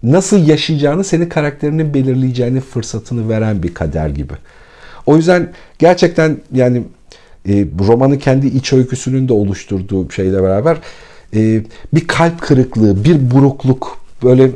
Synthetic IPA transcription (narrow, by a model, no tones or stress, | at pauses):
nasɯlˠjaʃɯjd͡ʒaːnɯse̞ninkʰaɾak̚t̪ʰe̞ɾininbe̞lʲiɾlʲijid͡ʒeːininfɯɾsat̪ʰɯnɯve̞ɾænbikʰad̪æ̰ɾɟibɪ̰ | o̞jyzd̪ænɟ̥æɾt͡ʃʰɛc̚t̪ʰænjaːniː | ɾo̞manɯcʰɛnd̪iʔit͡ʃʰø̞lʲcʰysynynd̪ɛo̞lˠuʃt̪ʰuɾd̪uːʃe̞jlʲɛbeɾaːbæɾɛːbiɾkʰalʲpkʰɯɾɯklˠɯːbiɾbuɾuklˠukbø̞jlʲɛ